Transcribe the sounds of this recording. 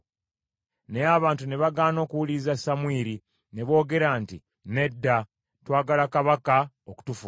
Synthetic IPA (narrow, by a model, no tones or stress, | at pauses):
neaβaːntune̞βaɡaːno̞ːkuwulizasamwiːɾi | ne̞βo̞ːɡe̞ɾanti | ne̞dːa | twaːɡalakaβaka | oku̥tufu